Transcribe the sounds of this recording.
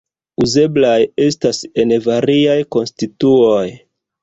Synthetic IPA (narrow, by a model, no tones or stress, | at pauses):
uze̞blaje̞stase̞nvaɾiajko̞nstituoj